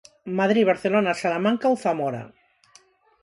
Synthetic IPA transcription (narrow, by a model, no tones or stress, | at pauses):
maðɾiβaɾθelonasalamaŋkawθamoɾa̰